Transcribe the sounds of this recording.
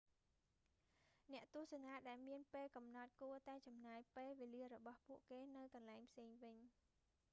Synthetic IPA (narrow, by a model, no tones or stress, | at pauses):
nɛ̆əʔt̪ŭəhsnaːɗaɛlmiənpeːlkɑmnɑt̪̚kuət̪aɛt͡ɕɑmnaːjpeːlʋeːliərɔɓɑhpuəʔkeːnɨwkɑnlaɛŋpʰseːŋʋɨɲ